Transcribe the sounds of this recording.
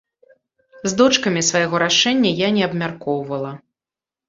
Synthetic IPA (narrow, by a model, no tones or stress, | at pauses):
zd̪ɔt͡ʂkɐmʲisvajɣɔɾaʂɛnʲːɐjanʲɛɐbmʲarkɔwvɐlˠɐ